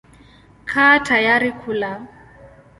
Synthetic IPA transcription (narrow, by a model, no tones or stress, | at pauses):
kʰatʰajaɾɪkʰuːla